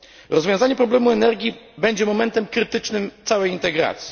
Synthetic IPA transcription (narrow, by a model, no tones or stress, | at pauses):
ɾɔzvʲjɔ̃w̃zaɲɛpɾɔblɛmuɛnɛɾɡʲibɛɲd͡ʑɛmɔmɛnt̪ɛmkɾɘt̪ɘt͡ʂnɘmt̪sawɛjint̪ɛɡɾa̰t̪sʲji̥